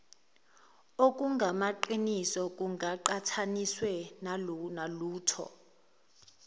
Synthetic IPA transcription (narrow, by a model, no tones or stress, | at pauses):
ok̬ʼuŋɡʱamaǃinisɔk̬ʼuŋɡʱaǃatʰaniswɛnnaluːtʰɔ̰